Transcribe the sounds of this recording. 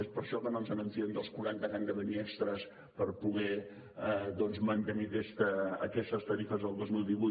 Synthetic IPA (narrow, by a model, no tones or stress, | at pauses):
espəɾʃɔkənonzənəmfiend̪əlˠskuɾant̪əɣanɡ̪əðəniɛkst̪ɾəs | pəɾpuɣɛ | ðɔnzmənt̪ənikɛst̪ə̰ːkɛst̪əst̪əɾifəzðəlˠd̪ozmilˠd̪iβu